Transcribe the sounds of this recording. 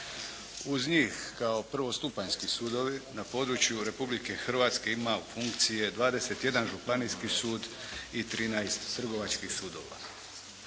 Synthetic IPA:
uzɲiːxkao̞pr̩ʋo̞st̪upaɲskisuːd̪o̞ʋinapo̞ːd̪ɾut͡ɕjuɾe̞publike̞xr̩ʋaːt̪ske̞imaufuŋkt̪sije̞d̪ʋaːd̪e̞se̞t̪je̞d̪anʒupaniskisuːd̪ | it̪ɾiːnajst̪ːr̩ɡo̞ʋat͡ʃkixsuːd̪o̞ːʋa̰

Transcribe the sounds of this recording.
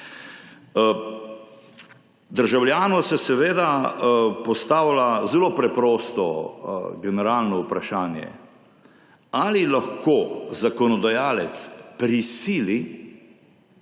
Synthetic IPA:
d̪əɾʒawljaːnɔsɛsɛʋeːd̪a | pɔst̪aːwlazɛloːpɾɛpɾɔːst̪ɔ | ɡɛnɛɾaːlnɔupɾaʃaːnjɛ̰ | alilaxkoːzakɔnɔd̪ajaːlɛt̪spɾisiːli

